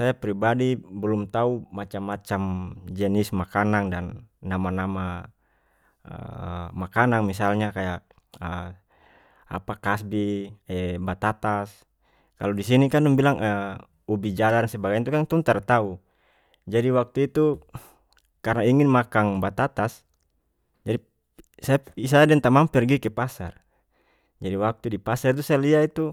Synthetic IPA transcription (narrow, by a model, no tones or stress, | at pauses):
sajapɾibadibɛlumt̪aumat͡ʃamːat͡ʃamd͡ʒɛnismakanaŋdanːamanama | ə̰makanaŋmisalɲakajaʔ | ə | a̰pakasbiɛbat̪at̪as | kaludisinikanuŋbilaŋʔə | ubid͡ʒalaɾnsɛbaɡant̪ukant̪ɔŋt̪art̪au | d͡ʒadiwak̚t̪uit̪u | karnaiŋinmakaŋbat̪at̪as | d͡ʒadi | sapis̬adɛŋt̪amampɛrɡikɛpasa̰r | d͡ʒadiwak̚t̪udipasart̪usaaliait̪u